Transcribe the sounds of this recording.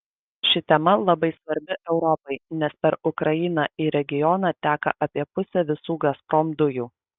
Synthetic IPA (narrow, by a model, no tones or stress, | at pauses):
ʃʲɪt̪ʲɛmɐlˠɐbɐɪsʋɐɾʲbʲɪʔɛʊɾɔpɐɪnʲɛspʲɛɾʊkɾɐjɪnɑʔɪɾʲɛɡʲɪjɔnɑːt̪ʲæːkɐ̰ʔɐpʲiɛpʊsʲɛʋʲɪsuːɡɐspɾɔmd̪ʊjuː